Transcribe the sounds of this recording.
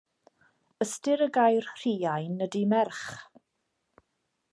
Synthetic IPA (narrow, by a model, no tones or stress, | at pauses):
əstɪɾəɡajrr̥iːajnːədimɛrχ